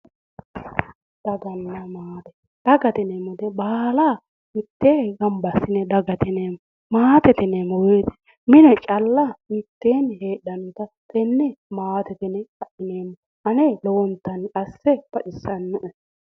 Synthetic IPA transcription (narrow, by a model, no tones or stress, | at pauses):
d̪̥ɐɡɐnːɐmaːt̪ɛ̥ | d̪̥ɐɡɐt̪ɛnemɔd̪ɛbaːla | mɪt̪ːeːɡɐmbɐsːɪnɛd̪ɐɡɐt̪ɛneːmɔ | maːt̪ɛt̪ɛneːmɔweːt̪ɛ̥ | mɪnɛt͡ʃʼɐlːɐmɪt̪ːeːnheːɗːɐnʊt̪ɐ | t̪ɛnːɛmaːt̪ɛt̪ɛnɛkɐʔɪneːmːɔ | ʔɐnelɔwɔnt̪ːɐnɐsːɛb̥ɐt͡ʃɪsːɐnːʊʔɛ